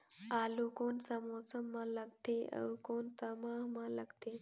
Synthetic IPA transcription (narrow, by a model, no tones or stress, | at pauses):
aːlukoːnsɐmot͡səmːãləɡt̪eə̰wkoːnt̪ɐmaːɦmãləɡt̪ʰe